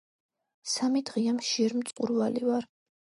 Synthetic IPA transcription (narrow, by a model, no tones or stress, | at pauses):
samid̪ʁiamʃiɛɾmt̪sʼqʼṵɾvalivaɾ